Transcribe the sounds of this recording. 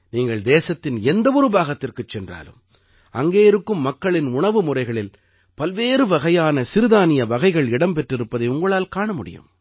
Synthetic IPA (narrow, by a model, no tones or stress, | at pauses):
niːŋɡɐɭd̪eːsɐt̪ːɪnɛnd̪ɐʊɾɯbaːɣɐt̪ːɪrkɯt͡ʃːɛndra̰ːlɯ̰m | ɐ̰ŋɡeːɪɾɯkːɯmːɐkːɐɭɪnʊɳɐʋɯmʊrɐɪɣɐɭɪl | pɐlʋeːɾɯʋɐɣɐjaːnɐsɪɾɯðaːnɪjɐʋɐɣɐɪɣɐɭɪɽɐmpɛʈrɪɾɯpːɐðɐɪʊŋɡɐɭaːlkaːɳɐmʊɽɪ̰jɯ̰m